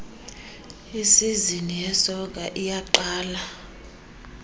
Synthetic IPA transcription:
isizinijɛsɔk̬ʼaʔijaǃaːla

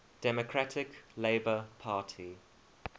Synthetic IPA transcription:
d̥ɛmokʰɹatʰɪkleɪbəpʰaːˑtʰi

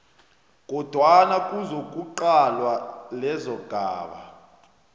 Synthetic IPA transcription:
k̬ʼɔd̥ʱwanakʼuzok̬ʼuǃalwalɛzɔɡ̥ʱaːɓa̰

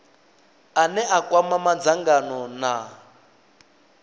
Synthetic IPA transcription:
anɛʔakwamamad͡zaŋɡanɔna

